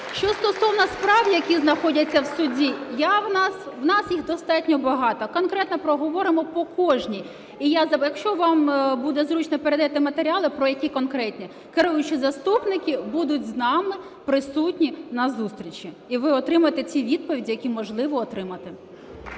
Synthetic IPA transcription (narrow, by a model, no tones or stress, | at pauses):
ʃt͡ʃɔst̪ɔsɔwnɐspɾɑʋjʲɐjɐkʲiznɐxɔdʲɐt͡sʲːɐwsʊdʲijawnɑswnɑsjiɣd̪ɔst̪ɑtʲnʲɔbɐɦɑt̪ɔkɔnkɾɛt̪nɐpɾɔɦɔʋɔɾɪmɔpɔkɔʒnʲi | ijazɐjɐkʃt͡ʃɔʋɑmbud̪ɛzɾut͡ʃnɔpeɾed̪ɐɛt̪ɪmɐt̪eɾʲiɑlˠɪpɾɔjɐkʲikɔnkɾɛtʲnʲi | kɪɾujʊt͡ʃɪzɐst̪upnɪkʲɪbud̪ʊtʲznɑmɪ | pɾɪsutʲnʲinɐzust̪ɾʲit͡ʃʲi | iʋɪɔt̪ɾɪmʊjet̪ɛt͡sʲiʋʲid̪̚pɔʋʲidʲijɐkʲimɔʒlˠɪʋɔːt̪ɾɪmɐt̪ɪ